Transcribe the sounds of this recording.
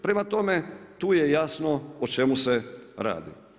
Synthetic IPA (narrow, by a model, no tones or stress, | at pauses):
pɾemat̪o̞met̪uːjejasnoot͡ʃe̞museɾa̰ːd̪ḭ